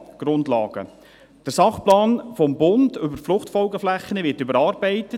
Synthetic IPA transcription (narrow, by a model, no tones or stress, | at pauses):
ɡ̥ɾʊndlɑ̰ːɡ̥ə̰ | d̥əɾsɑχplɑːnfɔmbʊndʏbəɾflʊχtfɔlɡəflæχːənəʋɪtʏbəɾɑːɾbæɪtə